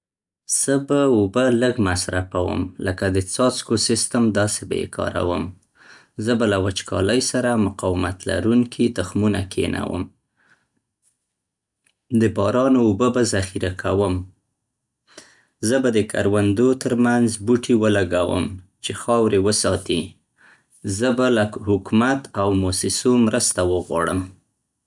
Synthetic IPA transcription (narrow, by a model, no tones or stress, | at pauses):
z̥əbaubələɡmasɾafawə̰mləkad̪ət͡sɑt͡skosɪst̪amd̪ɑsebḛkʰɑ̰ɾa̰wəm | zəbalawat͡ʃkʰɑ̰ləjsaɾamʊqɑwɪmat̪la̰ɾuŋkʰit̪ʊxmunakʰḛna̰wə̰m | d̪əbɑɾɑnoːbəbazaxiɾakʰawəm | zəbad̪əkʰa̰ɾwand̪ot̪əɾmanzbuʈʰiwəlaɡawə̰m | t͡ʃexɑwɾewəsɑt̪i | zəbalahʊkmat̪awmosɪsomɾəst̪awəɣwɑ̰ɽə̰m